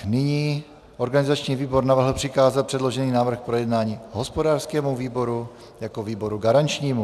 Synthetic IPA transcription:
nɪɲiː | ʔo̞ɾɡanɪzat͡ʃɲiːviːbo̞ɾnavr̩ɦl̩pr̥ɪkaːzalpr̥ɛdlo̞ʒɛniːnaːvr̩xpɾo̞jɛdnaːɲiːɦo̞spo̞daːrskɛːmuviːbo̞ɾu | jako̞viːbo̞ɾuɡaɾant͡ʃɲiːmu

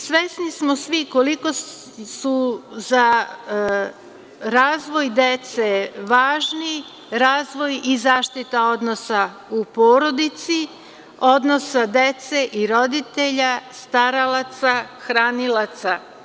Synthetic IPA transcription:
sʋesnismo̞sʋikoliko̞ | suza | ɾaːzʋo̞jd̪et̪seʋaːʒni | ɾaːzʋo̞jizaːʃt̪it̪ao̞d̪nosa | upo̞ːɾo̞d̪it̪si | o̞d̪nosad̪e̞t̪se̞ʔiɾo̞d̪it̪e̞ʎast̪aɾalat̪saxɾaːnilat̪sa

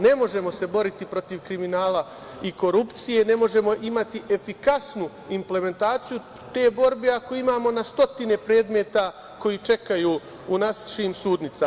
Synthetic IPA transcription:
ne̞mo̞ʒe̞mo̞se̞bo̞ɾit̪ipɾo̞t̪iʋkɾiminaːla | iko̞ɾupt̪sije̞ne̞mo̞ʒe̞mo̞ʔimat̪iʔe̞fikasnu | imple̞me̞nt̪aːt̪siju | t̪eːbo̞ɾbeakoimaːmo̞nast̪o̞t̪ine̞pɾe̞ːd̪me̞t̪a | ko̞jit͡ʃe̞kajuː | unasʃiːmsuːd̪nit̪sa

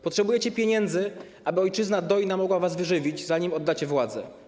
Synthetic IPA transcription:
pɔtʂɛbujɛt͡ɕɛpʲjeɲɛnd̪zɘ | ʔabɘɔjt͡ʂɘznad̪ɔjnamɔɡwavasvɘʐɘvʲid͡ʑzaɲimɔd̪ːat͡ɕɛvwad̪zɛ̰

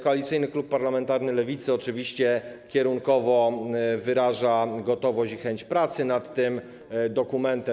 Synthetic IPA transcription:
kɔalʲit̪sɘjnɘklupːaɾlamɛnt̪aɾnɘlɛvʲit̪sɘɔt͡ʂɘvʲiɕt͡ɕɛkʲɛɾuŋkɔvɔvɘɾaʐaɡɔt̪ɔvɔɕixɛɲt͡ɕpɾat̪sɘnat̪ːɘm | d̪ɔkumɛnt̪ɛ

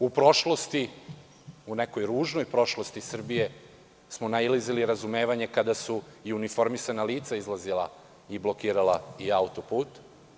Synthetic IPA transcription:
upɾo̞ʃlˠo̞st̪i | une̞kojɾuːʒno̞jpɾo̞ʃlo̞st̪isr̩bije̞ | smonailiziliɾazume̞ːʋaɲe̞kad̪asuiunifo̞ɾmisanaliːt̪saizlˠazilˠa̰ | iblˠo̞kiːɾalˠaiaut̪o̞puːt̪

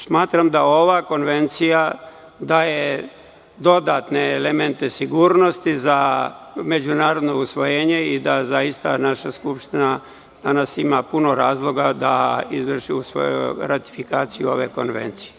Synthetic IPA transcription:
smaːt̪ɾamd̪ao̞ʋako̞nʋe̞nt̪sija | d̪aːje̞ | d̪o̞d̪at̪ne̞ːleme̞nt̪e̞siɡuːɾno̞st̪izame̞d͡ʑunaːɾo̞d̪no̞usʋo̞jeːɲe̞id̪azaist̪a̰naʃaskupʃt̪ina | d̪̥anasimapuno̞ɾaːzlˠo̞ɡad̪a̰izʋr̩ʃiusʋo̰jṵɾat̪i̥fikaːt̪sijuo̞ʋḛko̞̰nʋḛnt̪sije

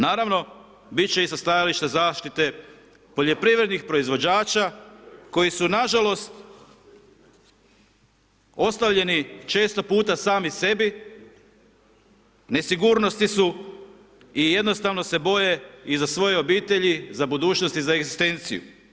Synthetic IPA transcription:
naːɾaʋno̞ | bit̪̚t͡ɕe̞isast̪ajaliʃt̪azaːʃt̪it̪e̞ | po̞ʎo̞pɾiʋɾe̞d̪nixpɾo̞izʋo̞d͡ʑaːt͡ʃako̞jisunaʒalo̞st̪ | o̞st̪aʋʎe̞nit͡ʃe̞ːst̪o̞puːt̪asaːmise̞bi | ne̞siɡuːɾno̞st̪isu | ije̞d̪no̞st̪aʋno̞se̞bo̞je̞izasʋo̞je̞o̞biːt̪e̞ʎizabud̪uːt͡ʃno̞st̪izaeɡzist̪e̞nt̪sḭjṵ

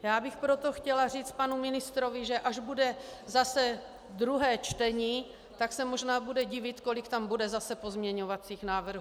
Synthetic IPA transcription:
jaːbɪxpɾot̪o̞xcɛlar̝iːt͡st̪̚panumɪnɪst̪ɾovɪʒɛʔaʒbudɛzasɛ | d̪ɾuɦɛːt͡ʃt̪ɛɲiː | t̪aksɛmo̞ʒnaːbudɛɟɪvɪt̪ko̞lɪkt̪ambudɛzasɛpo̞zmɲɛɲovat͡siːxnaːvr̩ɦu

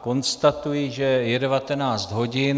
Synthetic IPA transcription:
ko̞nst̪at̪ujiʒɛjɛdɛvat̪ɛnaːt͡st̪ɦo̞ɟɪn

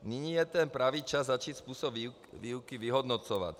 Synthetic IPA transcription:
niɲijɛt̪ɛnpɾaʋiːt͡ʃazːat͡ʃiːcspuːsɔb | ʋiːʊkiʋiɦɔd̪nɔt͡sɔʋa̰c

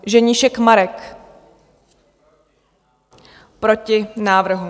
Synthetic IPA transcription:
ʒɛɲɪʃɛkmaɾɛk | pɾo̞cɪnaːvr̩ɦu

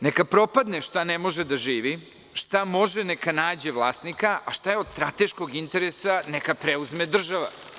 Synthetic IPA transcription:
nekapɾo̞pad̪neʃt̪anemo̞ʒed̪aʒiːʋi | ʃt̪amo̞ʒenekanaːd͡ʑeʋlˠaːst̪nikaʔaʃt̪ajeod̪st̪ɾat̪e̞ʃkoɡint̪eɾesanekapɾeuzmed̪r̩ʒaʋa̰

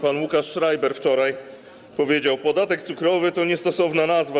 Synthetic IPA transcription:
panwukaʂːɾajbɛɾft͡ʂɔɾaj | pɔvʲjed͡ʑawpɔd̪at̪ɛkt̪sukɾɔvɘt̪ɔɲɛst̪ɔsɔvnanazva

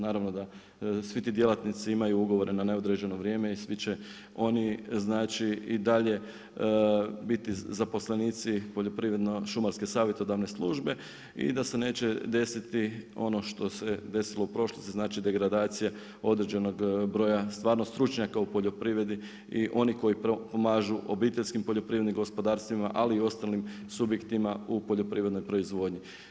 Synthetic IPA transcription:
naːɾaʋno̞d̪a | sʋit̪iːd̪je̞lat̪nit̪siimajuuɡo̞ʋo̞ɾenane̞o̞d̪ɾed͡ʑe̞no̞ʋɾje̞ːme̞isʋit͡ɕe̞ | o̞niznaːt͡ʃiid̪aʎe̞ | bit̪izapo̞sleniːt̪sipo̞ʎo̞pɾiʋɾed̪noʃumaɾske̞saːʋje̞t̪o̞d̪aʋne̞slˠuːʒbe̞ | ḭd̪asene̞ːt͡ɕe̞d̪e̞sit̪io̞no̞ʃt̪o̞se̞d̪e̞silˠo̞upɾo̞ʃlost̪iznaːt͡ʃid̪e̞ɡɾad̪aːt̪sija | o̞d̪ɾe̞d͡ʑe̞no̞ɡbɾo̞ːjast̪ʋaːɾnost̪ɾut͡ʃɲakaupo̞ʎo̞pɾiːʋɾe̞d̪i | iʔo̞niko̞jipomaːʒuʔo̞biːt̪eʎʲskimpo̞ʎo̞pɾiːʋɾeniŋɡo̞spo̞d̪aːɾst̪ʋima̰ʔaliːo̞st̪alim | subje̞kt̪imaupo̞ʎo̞pɾiːɾed̪nojpɾo̞izʋo̞ːd̪ɲi

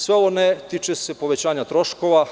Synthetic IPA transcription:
sʋeoʋonet̪it͡ʃesepo̞ʋet͡ɕaːɲat̪ɾo̞ʃko̞ʋa

